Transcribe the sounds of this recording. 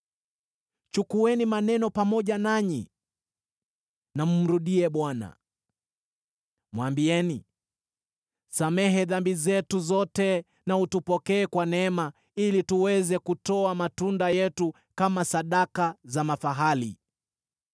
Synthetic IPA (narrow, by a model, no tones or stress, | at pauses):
t͡ʃukuɛnimanɛnɔpamɔʄanaɲi | nam̩m̩ɾuɗiɛɓwana̰ | mwambiɛni | samɛɦɛðambizɛtuzɔtɛ | nautupɔkɛːkwanɛma | ilituwɛzɛkutɔamatundajɛtu | kamasaɗakazamafaɦalḭ